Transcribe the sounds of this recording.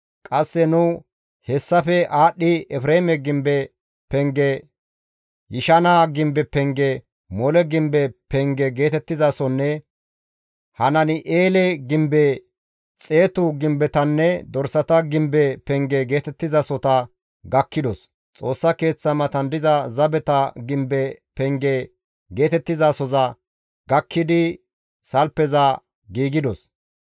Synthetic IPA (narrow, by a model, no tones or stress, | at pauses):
kʼɐsːɛnʊ | hɛsːɐfɛʔaːɗːɪɛfɾeːmɛɡɪmbɛ | pɛŋɡɛ | jɪʃɐnaɡɪmbɛpɛŋɡɛ | mɔlɛɡɪmbɛpɛŋɡɛɡe̞ːt̪ɛt̪ːɪzɐsɔnːɛ | hɐnɐnɪʔeːlɛɡɪmbɛ | t͡sʼe̞ːt̪ʊɡɪmbɛt̪ɐnːɛd̪ɔɾsɐt̪ɐɡɪmbɛpɛŋɡɛɡe̞ːt̪ɛt̪ːɪzɐsɔt̪ɐ | ɡɐkːɪd̪ɔs | t͡sʼo̞ːsːɐke̞ːt͡sːɐmɐt̪ɐnd̪ɪzɐzɐbɛt̪ɐɡɪmbɛpɛŋɡɛ | ɡe̞ːt̪ɛt̪ːɪzaːsɔzɐ | ɡɐkːɪd̪ɪ | sɐlpːɛzɐ | ɡiːɡɪd̪ɔs